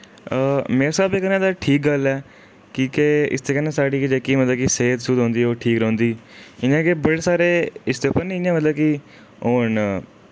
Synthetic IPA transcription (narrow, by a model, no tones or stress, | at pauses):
meːɾesaːbekənãːd̪aːʈʰiːk̚ɡəlɛː | kĩːkeɪ̰st̪eːkənːẽːsaːɽiːkɪd͡ʒekiːmət̪ləbkiseːd̪sʊd̪ɦõːnd̪iːoːʈʰiːkɾõːnd̪iːɪnjãːkebəɽeːsaːɾeːɪsd̪eːʊpəɾnĩɪãːmət̪ləb̚kɪ | ɦoːɳ